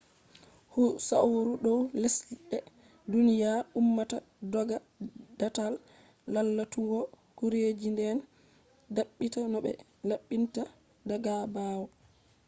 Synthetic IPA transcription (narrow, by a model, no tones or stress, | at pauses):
husawɾuɗɔwlesliɗɛ | dunijaɾumːata | dɔɡa | d̥atalː | alːatuɡɔ | kuɾed͡ʒindɛn | daɓːitanɔɓɛ̰ | laɓːinta | daɡabaːwɔ